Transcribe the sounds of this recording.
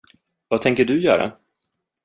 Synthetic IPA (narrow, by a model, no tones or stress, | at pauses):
vat̪ʰɛŋkəɖɵjœ̰ːɾa̰